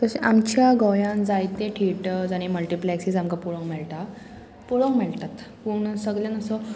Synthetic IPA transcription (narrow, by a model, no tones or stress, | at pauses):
t̪əɕeʔamt͡ɕjaɡojãnd͡zajt̪ẽʈʰiʈd͡zaɽ̃iməlʈiplɛksisamkapuɭə̃ŋmɛɭt̪a | puɭəŋmɛɭt̪at̪puɳsəɡɭjãnəsɔ